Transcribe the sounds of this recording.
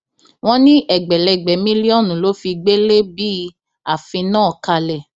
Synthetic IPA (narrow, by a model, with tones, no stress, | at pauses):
w̃ɔ̃˦nĩ˦ʔɛ˨ɡ͡bɛ˨lɛ˨ɡ͡bɛ˨mĩ˦li˦ɔ˦˨nũ˨lo˨˦fi˧ɡ͡be˦le˦bi˦ | a˨fĩ˧nãː˦˨ka˧lɛ˨